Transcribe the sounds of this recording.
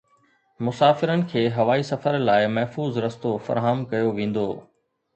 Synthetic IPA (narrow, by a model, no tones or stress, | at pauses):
mʊsaːfɪɾənɪ̆kʰeːɦɐʋaːisɐfəɾlaːɪmɐɦfuːzɾɐst̪ofɐ̰ɾɦamkɐjoʋẽːn̆d̪oː